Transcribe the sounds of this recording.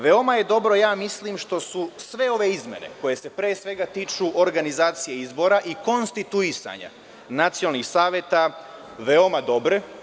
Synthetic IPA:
ʋe̞o̞maje̞d̪o̞bɾo̞jaːmislimʃt̪o̞susʋe̞o̞ʋe̞izmje̞̰ne̞̰ko̞je̞se̞pɾeːsʋe̞ɡat̪iːt͡ʃuʔoɾɡanizaːt̪sijeizbo̞ɾaʔiko̞nst̪it̪uisa̰ɲa̰ | nat̪sionalˠnixsaːʋje̞t̪a | ʋe̞o̞mad̪o̞bɾe̞

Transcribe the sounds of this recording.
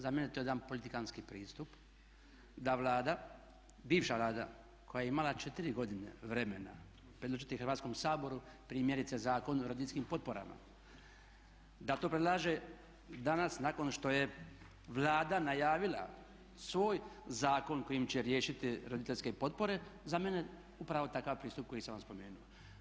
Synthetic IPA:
zame̞net̪ojed̪anpo̞lit̪ikanskipɾiːst̪up | d̪aʋlˠaːd̪a | biːʋʃaʋlaːd̪a̰ | kojajeimalat͡ʃe̞t̪iɾiɡo̞d̪inḛʋɾe̞me̞na̰ | pɾed̪loʒit̪ixrɾʋat̪sko̞msaːbo̞ɾupɾiːmje̞ɾit̪sezaːko̞nuɾo̞d̪it̪eskimpo̞t̪̚po̞ɾa̰ma̰ | d̪at̪oːpɾed̪lˠaːʒe | d̪anasnako̞nʃt̪o̞je̞ | ʋlˠaːd̪anajaːʋila̰ | sʋo̞ːjzaːko̞nko̞jimt͡ɕe̞ɾje̞ːʃit̪iɾo̞d̪it̪eʎʲskepo̞t̪̚po̞ɾe̞zame̞ne̞ | upɾaʋo̞t̪akaʋpɾiːst̪up̚ko̞jisamʋamspo̞me̞ːnuo

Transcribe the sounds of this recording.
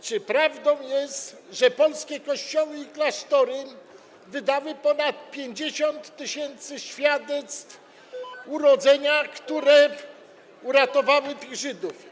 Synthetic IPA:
t͡ʂɘpɾavd̪ɔ̃w̃jɛst̪ | ʐɛpɔlskʲɛkɔɕt͡ɕɔwɘiklaʂt̪ɔɾɪm | vɘd̪awɘpɔnat̪̚pʲjeɲd͡ʑeɕɔnt̪ːɘɕɛnt̪sɘɕfʲjad̪ɛt̪st̪f | uɾɔd̪zɛɲakt̪uɾɛ | uɾat̪ɔvawɘt̪ɘɣʐɘd̪uf

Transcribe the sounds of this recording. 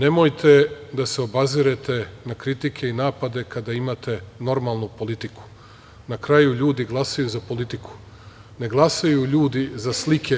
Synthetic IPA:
ne̞mojt̪ʰe̞d̪ase̞obaziɾet̪e̞nakɾit̪ikʰe̞inaːpad̪e̞kad̪aimat̪e̞no̞ɾmalˠnupo̞lit̪iku̥ | nakɾajuʎuːd̪iɡlˠasajuzapo̞lit̪iku̥ | ne̞ɡlˠasajuʎuːd̪izaslikʰe

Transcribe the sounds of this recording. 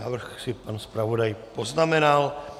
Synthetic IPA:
aːvr̩xsɪpanspɾavo̞dajpo̞znamɛnal

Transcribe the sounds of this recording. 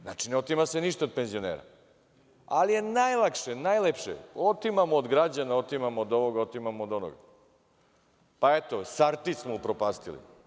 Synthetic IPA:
na̰t͡ʃineot̪imaseniʃt̪ao̞d̪̚penzijonḛːɾa̰ | alije̞najlˠakʃenajlepʃḛot̪imamoːd̪ɡɾad͡ʑanaot̪imamood̪o̞ʋoɡaot̪imamood̪o̞no̰ɡa̰ | paet̪osaɾt̪ismoupɾopaːst̪ḭlḭ

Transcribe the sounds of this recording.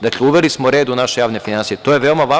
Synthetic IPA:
d̪akleuʋelismoɾe̞ːd̪unaʃejaːʋne̞finansijet̪ojeʋe̞omaʋaː

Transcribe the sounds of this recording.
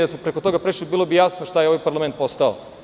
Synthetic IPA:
d̪asmopɾeko̞t̪o̞ɡapɾeʃlibiːlˠobijasnoʃt̪ajeo̞ʋajpaɾlˠament̪̚po̞st̪ao̰

